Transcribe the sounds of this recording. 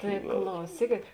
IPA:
ˈtɐɪ klˠɐʊˈsʲiːkʲeːt

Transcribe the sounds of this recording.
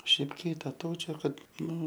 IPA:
ˈʃʲɛɪp kʲiːtɐˈtɐʊt͡ʃʲoː ˈkɐt ˈnʊ

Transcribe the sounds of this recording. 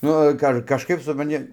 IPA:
ˈnʊ kɐ ɐr kɐʃˈkɐɪp sʊprɐnʲˈtʲɪ

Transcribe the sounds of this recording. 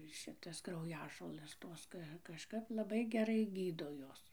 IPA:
ˈʃʲɪtɐs krɐʊˈjæːʒoːlˠɘs ˈtoːs kɐ kɐʃˈkɐp lˠɐˈbɐɪ ɡʲɛˈrɐɪ ˈɡʲiːdoː ˈjoːs

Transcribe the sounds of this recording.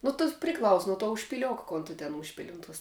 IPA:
nʊ toːs pʲrʲɪˈklˠɐʊs nʊ tuɔ ʊʃʲpʲɪˈlʲoːk ˈkoːn tʊ tʲɛn ˈʊʃʲpʲɪlʲɪ ˈʊn ˌtoːs

